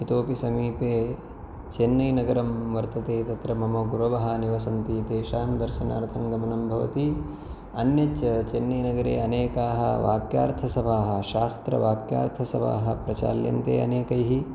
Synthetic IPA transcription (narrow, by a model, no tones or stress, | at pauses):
it̪oːpisɐmiːpeː | t͡ʃenːɐjnɐɡɐɾɐmʋɐɾt̪ɐt̪eːt̪ɐt̪ɾɐmɐmoɡuɾɐʋɐɦɐniʋɐsɐnt̪iːt̪eːʃaːnd̪ɐɾʃɐna̰ːɾt̪ʰɐŋɡɐmɐnɐmbʱɐʋɐ̰t̪i | ɐnjɐt͡ʃɐt͡ʃenːɐjnɐɡɐɾḛːɐneːkaːɦɐ̰ʋa̰ːkja̰ːɾt̪ʰɐsɐbʱaːɦɐ̆ʃaːst̪ɾɐ̰ʋaːkja̰ːɾt̪ʰɐsɐba̰ːɦɐ̆pɾɐt͡ʃa̰ːljɐ̰nt̪ḛːɐ̰neːkɐjɦi